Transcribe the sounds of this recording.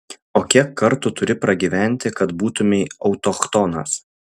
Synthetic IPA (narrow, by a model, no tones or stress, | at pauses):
oːkʲiɛkːɐɾt̪uːt̪ʊɾʲɪpɾɐɡʲiːʋʲæˑnʲt̪ʲɪkɐt̪buːt̪ʊmʲɛɪɒʊt̪okt̪ɔnɐ̰s